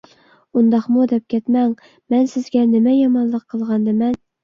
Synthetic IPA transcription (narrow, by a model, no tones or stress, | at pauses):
und̪ɑχmud̪ɛp̚kʲæt̪mæŋ | mænsɘ̆zɡʲænɪmæjɑmɑnlˠɤqʰːɤ̆lˠʁɑnd̪ɘmæn